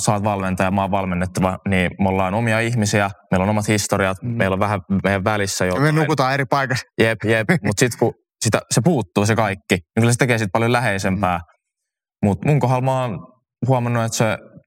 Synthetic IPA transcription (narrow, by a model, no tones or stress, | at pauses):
sɑːt̪ʋɑlment̪ɑjɑmɑːʋʋɑlmenːet̪ːɑʋɑniːmolːɑːnomiɑihmisiæmeilonomɑt̪hist̪oɾiɑt̪meiloʋʋæhæmejæʋʋælisːæjomenukut̪ɑːeɾipɑikɑsjepjepmut̪sit̪ku | sit̪æ̰sepuːt̪ːuːsekɑikːiniŋkylæset̪ekeːsit̪̚pɑljolæheisempæː | mut̪muŋkoɦɑlmɑːn | huɑmɑnːuet̪se